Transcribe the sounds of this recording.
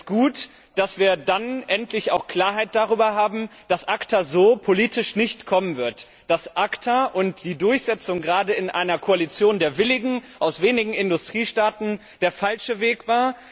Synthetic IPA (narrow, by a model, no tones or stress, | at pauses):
sɡ̥uːt | d̥asv̥iːɐdanʔɛntʰlɪça̰ʊxkl̥aːɐɦaɪt̚d̥aʁ̞yːbɐɦaːbm̩d̥asʔaktʰazoːpʰoliːtɪʃnɪçtkʰɔmənvɪɐt | d̥asʔaktʰaʔʊntd̥iːdʊɐçz̥ɛt͡sʊŋɡʁaːdəɪnʔaɪnɐkʰoalit͡sjoːndeːɐvɪlɪɡŋ̩ʔaʊsv̥eːnɪɡŋ̩ɪndʊstʁ̥iːʃtaːtn̩ | d̥eːɐfalʃəveːkv̥aːɐ